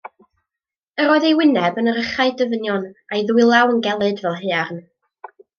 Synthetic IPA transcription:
əɾɔjðejwɪnɛbənəɾəχaɨdəvənjɔnajðwɪlˠawənɡɛlˠɨdvɛlˠɦearn

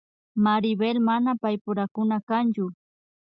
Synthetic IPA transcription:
maɾɪbelmanapajpʊɾakʊnakant͡ʃʊ

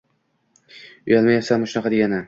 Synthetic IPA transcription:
ʊjalmajɒsalmaʃʊnaqʰɑd̪eɡʲanɪ

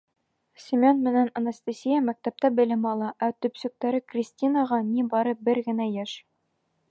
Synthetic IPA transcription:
sʲɪmʲonmɘ̆nænɐnast̪asʲijamæk̚t̪æp̚t̪æbɘ̆lɘmɒlˠɑʔæt̪ɵ̆psɵ̆k̚t̪æɾɘkrʲisʲtʲinaʁɑnibɒɾɤbɘɾɡɘ̆næjæʃ

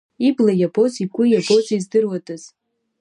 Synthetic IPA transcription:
iblajabʰʼozikʷʼʊjabozizdɨrwatʼɨz̥

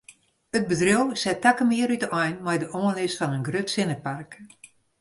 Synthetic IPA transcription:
ət̚bədrɪlˠsɛtːakəmɪəɾytəʔɔjnmɛjdəʔoənlɪsfɔnənɡrøtsɪnəpark

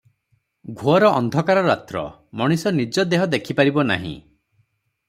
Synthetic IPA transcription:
ɡʱuɔɾɔʔɔnd̪ʱɔkaɾɔɾat̪ɾɔ̰ | mɔɽ̃isɔnid͡ʒɔd̪eɦɔd̪ekʰipaɾibɔna̰ɦḭ̃

